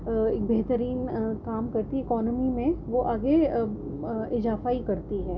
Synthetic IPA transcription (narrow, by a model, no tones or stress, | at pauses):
eːk̚beːɦt̪əɾiːnkaːmkɐɾt̪iɛɪkɔːnəmimẽʋoʔaːɡe | ɪzaːfaikɐɾt̪iɦɛː